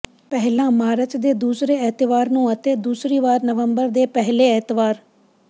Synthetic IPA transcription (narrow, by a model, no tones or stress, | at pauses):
pɛɦlãːmaːɾət͡ʃd̪eːd̪uːsɾeːɪt̪ɪʋaːɾnũːət̪eːd̪uːsɾiːʋaːɾnəʋəmbəɾd̪eːpɛɦleːɪːt̪ɪʋaːɾ